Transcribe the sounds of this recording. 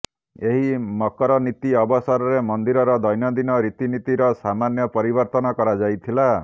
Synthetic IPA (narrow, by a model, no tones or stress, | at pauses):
eɦimɔkɔɾɔnit̪iɔbɔsɔɾɔɾemɔnd̪iɾɔɾɔd̪ɔjnɔd̪inɔɾit̪init̪iɾɔsamanjɔpɔɾibɔɾt̪ɔnɔkɔɾad͡ʒajt̪ʰila